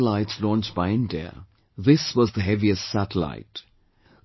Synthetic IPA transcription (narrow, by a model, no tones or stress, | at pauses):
əlaɪtslɔ̃nt͡ʃbaɪɨ̃ndɛ̰ə̰ | ðɪswɔzðəɦɛviɨstsæɾəla̰ɪt